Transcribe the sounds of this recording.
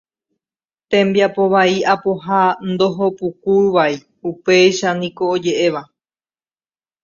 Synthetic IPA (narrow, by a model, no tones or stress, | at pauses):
t̪ẽ̞mbjapo̞βaiapoɦand̪o̞ɦo̞pukuʋai | upe̞jʃanĩko̞od͡ʒe̞ʔeʋa